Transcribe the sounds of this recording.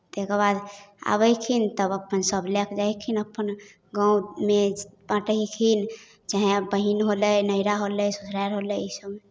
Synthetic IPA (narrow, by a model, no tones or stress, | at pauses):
t̪ekəɾbad̪a̰βəjkʰint̪əbəpːənsəblekʰd͡ʒajkʰinəpːən | ɡãũmebãʈəɦikʰin | d͡ʒaɦẽbəɦinɦoləjnəiɾaɦoləjsusʰɾaɾɦoləisəbme